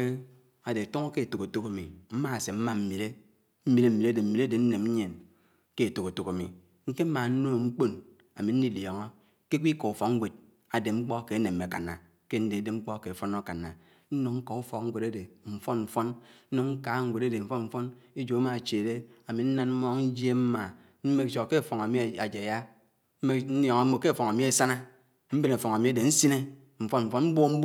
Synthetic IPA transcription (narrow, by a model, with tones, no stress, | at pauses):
e˦ | a˨de˨a˨to˦ŋo˦ke˦e˨to˨ko˨to˦ka˨mi˨m̩˦ma˦a˨se˨m̩˦ma˦m̩˦mi˨le˦ | m̩˦mi˦le˦m̩˦mi˨ɾe˦de˨m̩˦mi˨le˦de˨n̩˦ne˨m̩˦ɲe˨n | ke˦e˨to˨ko˨to˨ka˨mḭ˨ | ŋ̩˦ke˦m̩˦ma˨n̩˦no˦˨ŋ͡m̩˦k͡po˦n | a̰˨mi˨n̩˦ni˦ljɔ˨ŋɔ˦ | ke˦kʷi˦kɔ˨u˨fɔ˨˦ŋ̩˦ɡʷe˨d̚ | a˨de˨ŋ͡m̩˦k͡pɔ˦ke˨˦ne˨mːe˨ka̰˨na̰˨ | ke˦n̩˦de˨˦de˨ŋ͡m̩˦k͡pɔ˦ke˨fɔ˦no˦ka˨nːa˨ | n̩˦no˨ŋŋ̩˦kɔ˨u˦fɔ˨k̚ŋ̩˦ɡʷe˨ɾa˦de˨m̩˨fɔ˦nm̩˨fɔ˦nn̩˦no˨ŋ̩˦ka˨˦ŋ̩˦ɡʷe˨ɾe˦de˨ɱ̩˨fɔ˦nm̩˦fɔ˦ne˦d͡ʒo˨a˦ma˨t͡ʃe˨de˦a˨mi˨n̩˦na˦nm̩˦mɔ˦ŋn̩˦d͡ʒe˦m̩˦ma˨ | m̩˦me˦kt͡ʃo˨ke˦˨fɔ˨ŋa˨mi˦˨a˨d͡ʒe˨ja˦ | m̩˦me˦n̩˦jɔ˨ŋa˦o˨ke˦˨fɔ˨ŋa˨mi˦e˨sa˦na˦ | m̩˦be˦na˨fɔ˨ŋa˨mi˨˦a˦de˨n̩˦si˦ne˦ | ɱ̩˨fɔ˦nm̩˨fɔ˦m̩˦bo˦m̩˦b